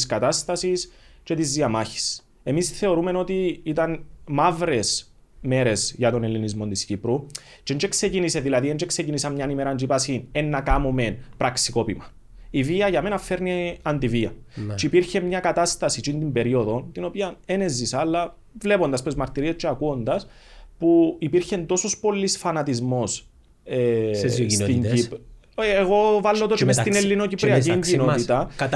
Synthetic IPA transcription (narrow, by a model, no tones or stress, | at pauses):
skɐt̪ast̪ɐsist͡ʃe̞t̪izðiɐmaçi̥s | e̞misθe̞o̞ɾume̞no̞t̪iit̪ɐnmavɾe̞s | me̞ɾe̞sʝɐt̪o̞nelːinizmo̞nt̪iscipɾut͡ʃend͡ʒekse̞cinise̞ðilɐðiend͡ʒekse̞cinisɐmɲɐnimeɾɐnd͡ʒipasinenːɐkamome̞npɾɐksiko̞pimɐ | iviɐʝɐme̞nɐfːe̞ɾniɐnd̪iviɐt͡ʃiipiɾçe̞mɲɐkɐt̪ast̪ɐsit͡ʃind̪imbe̞ɾio̞ðo̞nt̪ino̞piɐene̞zːisɐlːɐ | vle̞po̞nd̪ɐspɾezmɐɾt̪iɾiest͡ʃeɐkuond̪ɐs | puipiɾçe̞nd̪o̞sospo̞lːisfɐnɐt̪izmo̞s | e | t̪iɲip | eɣo̞valːot̪ot͡ʃemest̪inelːino̞cipɾiɐciɲɟino̞t̪it̪ɐ